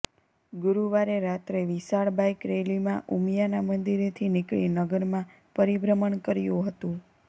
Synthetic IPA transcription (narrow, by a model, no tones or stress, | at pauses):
ɡʊɾuʋaɾeɾat̪ɾeʋisaɭbajkɾelimãʔumjanamənd̪iɾet̪ʰinikɭḭnəɡəɾmã | pəɾibɾəməɳkəɾjũɦət̪ũ